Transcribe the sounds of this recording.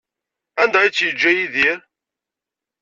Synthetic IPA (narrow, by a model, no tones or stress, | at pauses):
ænd̪æit͡sːjəd͡ʒːæjiðiɾ